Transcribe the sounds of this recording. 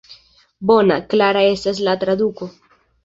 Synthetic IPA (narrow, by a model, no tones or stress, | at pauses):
bonaklaɾaesazlat̪ɾad̪uko